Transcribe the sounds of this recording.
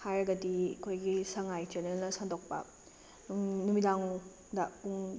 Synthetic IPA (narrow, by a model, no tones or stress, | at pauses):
hajɾɐɡɐdiɐkʰojɡisɐŋajteɾnelnɐsandok̚pɐ̰ | numidaŋ | dɐuŋ